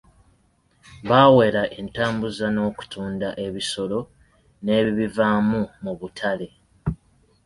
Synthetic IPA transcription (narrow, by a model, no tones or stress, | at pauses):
βaːwe̞ɾaʔe̞ntaːmbuzano̞ːku̥tuːndaʔe̞βiso̞lo̞ | ne̞ːββivamumuβutʰale̞